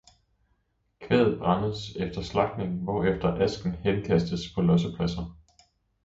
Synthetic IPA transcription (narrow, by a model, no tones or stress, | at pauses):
kʰʋɛːð̩ˠb̥ʁɑ̈nəð̩ˠsefd̥ɐslɑ̈ɡ̥ne̝ŋʋɒefd̥ɐʔæsɡ̥n̩henkʰæsd̥əspʰɒ̽lɒ̽s̬əpʰlæsɐ